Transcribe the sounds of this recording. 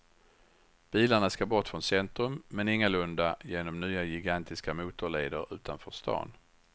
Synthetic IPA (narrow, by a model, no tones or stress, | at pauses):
b̥iːlaɳaskabɔʈfɾɔnsɛnt̪ɾɵmːɛnɪŋːalɵnd̪ajeːnɔmnyːajɪɡant̪ʰɪskamuːt̪ʊɭeːd̪əɾʉ̟ːt̪anfœʂt̪ɑ̰ːn